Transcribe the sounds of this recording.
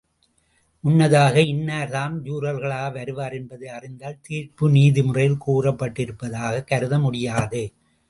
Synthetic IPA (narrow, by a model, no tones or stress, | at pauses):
ʔʊnːɐðaːɣɐɪnːaːɾðaːmd͡ʒuːɾɐlɣɐɭaːɣɐʋɐɾɯʋaːɾɛnbɐðɯɐrɪnd̪aːlt̪iːɾpɯniːðɪmʊrɐjɪlkuːrɐpːɐʈːɪɾɯpːɐðaːɣɐkːɐɾɯðɐmʊɽɪjaːðɯ